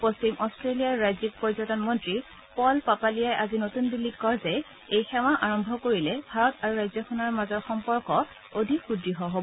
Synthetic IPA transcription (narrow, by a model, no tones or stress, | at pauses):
post͡ɕimʔɔstɹelijaɹːajzik̚pɔɹizɔtɔnmɔntɹi | pɔlpapalijajʔazinotunbilːitkɔɹzɛ | ejxɛmaʔaɹɔmbʱɔkoɹilɛbʱaɹɔtaɹuɹajzɔkʰɔnaɹmazɔɹxɔmpɔɹkɔ | odʱikxudɹiɦɔɦobɔ